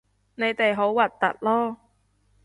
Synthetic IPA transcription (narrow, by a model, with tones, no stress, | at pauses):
ne˨˧jt̪e˨jɦo˨˥wwɐ˨t̚t̪ːɐ̰˨t̚lɔː˥